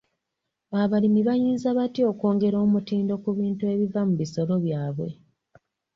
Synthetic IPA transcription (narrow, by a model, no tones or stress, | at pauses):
aβalimiβajiːnzaβatio̞ko̞ːŋɡe̞ɾo̞ːmutiːndo̞kuβiːntue̞βivamuβiso̞lo̞βjaːβwe̞̰